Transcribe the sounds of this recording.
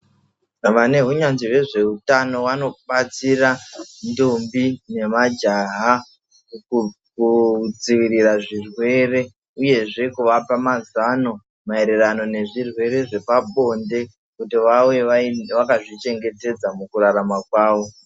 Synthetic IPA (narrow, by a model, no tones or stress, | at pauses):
ʋane̞ɦuɲanziʋe̞ʐe̞utano̞wano̞ɓat͡sirandumbine̞mad͡ʒaɦa | kud͡ziʋiɾiraʐirwe̞re̞ | uje̞ʐe̞kuʋapamazano̞ | mae̞ɾe̞rano̞ne̞ʐirwe̞ɾe̞ʐe̞paɓo̞nde̞ | kutiʋawe̞ʋakaʐit͡ʃe̞ŋɡe̞te̞d͡zamukuɾaɾamakwaːʋo